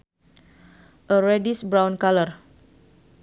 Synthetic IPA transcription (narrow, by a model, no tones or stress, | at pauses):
ʔəɾɛdisbɾawnkalər